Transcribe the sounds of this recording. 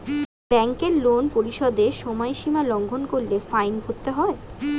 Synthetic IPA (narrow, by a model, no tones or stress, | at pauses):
bɛŋkeɾlonpoɾiʃɔd̪eʃɔmɔeʃimalɔŋɡʱonkoɾlefajnbʱot̪ːeɦɔe